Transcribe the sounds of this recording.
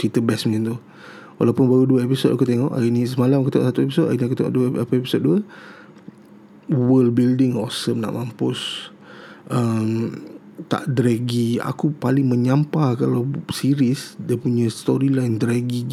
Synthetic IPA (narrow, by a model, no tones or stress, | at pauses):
t͡ʃit̪əbɛsmĩŋint̪u | wa̰lawpʊnbaɾuduəepisoda̰kut̪eŋɔʔa̰iʔnisəmalamkut̪ɔ̰ʔsat̪uep̬isota̰iʔniakut̪eŋɔ̰ʔduəapəepi̥sot̪̚duə | wəlbildɪŋɔsəmna̰ʔmampʊs | ʔəm | t̪a̰ʔdɾɛɡia̰kupalɪŋmə̃ɲampakalawsiɾisdiəpuɲãst̪ɔɾilajndɾɛɡi